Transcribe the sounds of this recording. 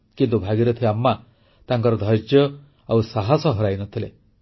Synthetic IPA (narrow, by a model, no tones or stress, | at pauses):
kint̪ubʱaɡiɾɔt̪ʰiamːa | t̪aŋkɔɾɔd̪ʱɔɾd͡ʒjɔ | awsaɦasɔɦɔɾajnɔt̪ʰile